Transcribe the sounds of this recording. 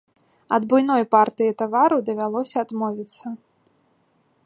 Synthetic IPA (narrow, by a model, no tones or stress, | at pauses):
ɐd̪bujn̪ɔjpart̪ɨjit̪avaɾud̪ɐvʲalˠɔsʲɐːd̪mɔvʲit̪sːɐ